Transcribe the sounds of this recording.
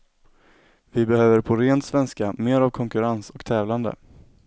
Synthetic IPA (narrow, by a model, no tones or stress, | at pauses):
vɪbɛhøːvəɾpʰɔɾeːnt̪svɛnskameːɾavkʰɔŋkɵɾansɔkt̪ʰɛːvland̪ə̰